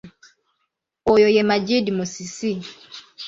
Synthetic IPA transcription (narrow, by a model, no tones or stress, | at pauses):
ojojɛmad͡ʒidimusisi